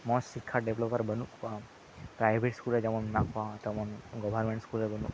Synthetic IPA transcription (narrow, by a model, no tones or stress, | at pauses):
mɔ̃sikʰːaɖeʋlopəɾbənũa | pɾajʋʱeʈskuled͡ʒəmɔ̃mnakʰʋãt̪omɔ̃nɡɔʋəɾmẽɳʈskulebənũ